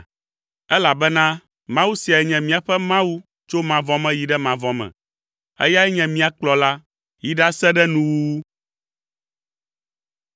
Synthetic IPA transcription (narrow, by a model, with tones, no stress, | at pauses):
ɛ˦la˨bɛ˦nã˦ | mã˦wu˦si˨a˨ɛ˨ɲɛ̃˨mĩ˦a˨ɸɛ˦mã˦wu˦ | t͡ʃo˦mã˨vɔ̃˦mɛ̃˦ji˨ɖɛ˦mã˨vɔ̃˨mɛ̰̃˨ | ɛ̰˦ja˦ɛ˦ɲɛ̃˨mĩ˦a˨k͡plɔ˨la˦ | ji˨ɖa˦sɛ˦ɖɛ˦nũ˨wu˦wu˦